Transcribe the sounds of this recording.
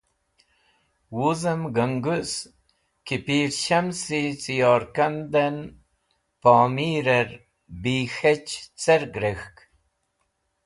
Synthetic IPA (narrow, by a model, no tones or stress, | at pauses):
wuzɐmɡəŋɡus | kipiːɾɕɐmsit͡sijɑːɾkɐnd̪ɐn | pɑːmiːɾeɾ | biːxet͡ɕt͡seɾɡɾexk